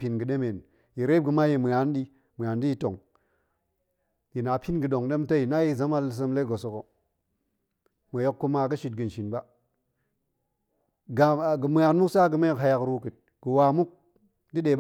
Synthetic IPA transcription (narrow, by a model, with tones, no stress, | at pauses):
pi˨nɡɨ˨ɗe˦me˨n | ji˨ɾe˦b̚ɡə˨ma˦ji˨mɨ˨a˨n˦di˦ | mə˨a˨ndi˦ji˦to˨ŋ | ji˨na˨pʰi˦nɡɨ˨ɗo˨ŋde˦mta˦ji˨na˦ji˦˨za˦ma˦lːi˨s̬ə˦mle˦ɡo˨so˨ko˨ | mə˨jo˦kːu˦ma˦ɡə˦ʃi˨t̚ɡɨ˨nʃi˨nba˦ | ɡa˨ɡə˨mə˨a˨nmu˦ksa˦ɡɨ˨me˦˨kɦa˦ja˨kɾu˦kɨ˨t̚ | ɡ̥ə˨wa˨mu˦k̚ | di˦ɗe˨˦b